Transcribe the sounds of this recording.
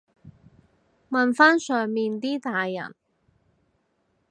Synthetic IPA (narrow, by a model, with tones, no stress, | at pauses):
mɐ˨nfaː˥nsœː˨ŋmiː˨nt̪iː˥t̪aː˨jːɐ̰˨˩n